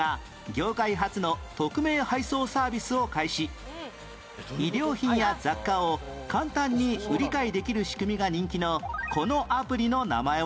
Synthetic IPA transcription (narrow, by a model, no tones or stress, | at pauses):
a | ɡʲo̞ːkaiɦat͡sɨno̞t̪o̞kɯ̟me̞ːhaiso̞ːsaːbʲisɨo̞kaiɕi | id̪ʲe̞oːçĩɰ̃jad͡zakːaokãnt̪ãɲ̟ːiɯ̟ɾʲikaid̪e̞kʲiɾɯ̟ɕi̥kɯ̟mʲiɡaɲ̟ĩŋkʲino̞ko̞no̞ʔapɯ̟ɾʲino̞na̰mae